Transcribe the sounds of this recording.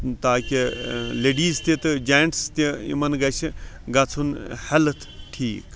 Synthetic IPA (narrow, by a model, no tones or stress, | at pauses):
t̪aːkʲileːɖiːzt̪it̪ɨd͡ʒaːjɳʈst̪iḭmɐnɡɐt͡ʃʰɡɐt͡sʰunhɐlt̪ʰʈʰiːk